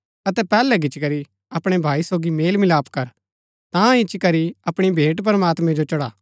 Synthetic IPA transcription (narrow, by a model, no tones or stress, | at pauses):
ɐt̪ɛpɛːlɛɡɪt͡ʃkɐɾi | ɐpɽ̃ebʱaːisoːɡimeːlmɪlaːpkɐɾ | t̪ãɪt͡ʃkɐɾiɐpɽ̃ibʱeːʈp̬ɐɾəmaːt̪mɛ̃d͡ʒot͡ʃɐɽaː